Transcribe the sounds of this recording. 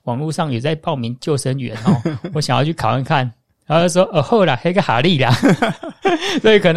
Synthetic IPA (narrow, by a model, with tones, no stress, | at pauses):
wɑ˨˩ŋlu˥˧ʂɑ˥˨ŋjɛ˨˩t͡sa˥˧ɪpɑ˥˨ʊmi˧˦nt͡ɕjo˥˨ʊʂə˧˦nɥɛ̰˧˦nɔ˥˦wɔ˦ɕjŋjɑ˥˧t͡ɕʰy˥˩kʰa˨ʊwa˥˧nkʰa˥˨n˨˦˥ | o˥˧˩o˥˩˥ʂwɔ˦˥ʔə˨˩xo˥˩ʊla˨˦xa˧˥ɡa˦˩xa̰˨˩˦li˥˨la˨ | swɔ˧˦˥i˨˩kʰɤ˨˩n˧